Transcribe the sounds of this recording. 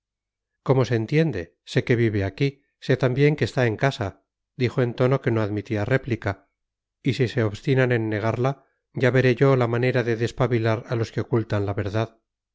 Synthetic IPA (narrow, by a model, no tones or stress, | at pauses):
ko̞mo̞seːnt̪je̞nd̪e | se̞ke̞βiβe̞aki | se̞t̪ambje̞ŋke̞st̪ae̞ŋkasa | d̪ixo̞e̞nt̪o̞no̞ke̞no̞aðmit̪iare̞plika | isise̞oβst̪inane̞nːe̞ɣ̞aɾla | ɟ͡ʝaβe̞ɾe̞ʝo̞lamaneɾaðe̞ðe̞spaβilaɾalo̞ske̞o̞kult̪anlaβe̞ɾðað